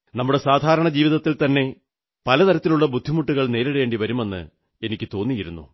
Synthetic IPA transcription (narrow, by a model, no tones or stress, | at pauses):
nɐmːuɽe̞saːd̪ʱaːɾɐɳɐd͡ʑiːʋiðɐt̪ːilt̪ɐnːe̞ | pɐlɐt̪ɐɾɐt̪ːiluɭːɐbud̪ʱːimuʈːuɣɐɭne̞ːɾiɽje̞ːɳɖiʋɐɾume̞nːɨ̰ | e̞nikʲːɨt̪o̞ːnːijiɾunːṵ